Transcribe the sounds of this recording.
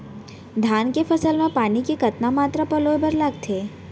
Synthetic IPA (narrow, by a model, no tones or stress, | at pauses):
d̪ʱankefʰəsəlmãpanikekət̪namat̪ɾəpəlojbəɾlaɡt̪ʰe